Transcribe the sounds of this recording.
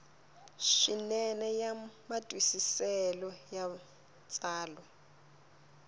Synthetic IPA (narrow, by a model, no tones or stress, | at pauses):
ʃinɛnɛjamatʼwisisɛlɔja | t͡sʼaːlɔ